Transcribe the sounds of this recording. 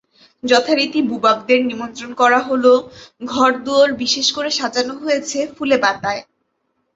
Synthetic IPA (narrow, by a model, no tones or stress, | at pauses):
d͡ʑɔt̪ʰaɾit̪ibubak̚d̪eɾnimont̪ɾonkɔɾaɦoloɡʱɔɾd̪uoɾbiʃeʃkoɾeʃad͡ʑanoɦojet͡ɕʰefulebat̪ae